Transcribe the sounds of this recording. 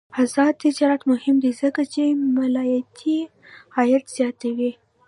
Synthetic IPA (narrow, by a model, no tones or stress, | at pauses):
azɑt̪ɪd͡ʒɑɾɑt̪mʊhɪmd̪izəkat͡ʃemalɑjat̪ʰi | hajat̪z̥jɑt̪awi